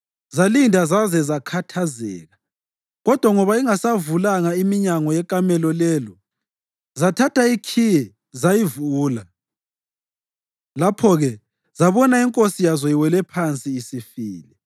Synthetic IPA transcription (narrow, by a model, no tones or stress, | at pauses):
zalindʱazazɛzakʰatʰazɛ̰ːɣa | ɣɔd̥ʱwaŋɔβaiŋasavulaŋaimiɲaŋɔjɛkʼamɛlɔlɛlɔ | zatʰatʰaikʰijɛ | zajivuːla | lapʰɔɣɛ | zaβɔnaiŋkʼosijazɔjiwɛlɛpʰant͡sʼiːsifiːlɛ